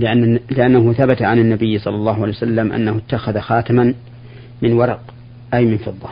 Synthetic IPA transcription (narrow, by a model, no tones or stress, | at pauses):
lɪʔanːlɪʔanːaɦʊθabat̪aʕanɪnːabɪjːsˤɑlːɑlːɑːhʊʕalejwasalːamʔa̰nːahʊɪt̪ːaxaðaxaːt̪ɪman | mɪnwɑɾˤɑq | ʔajmɪnfɨðˤːɑ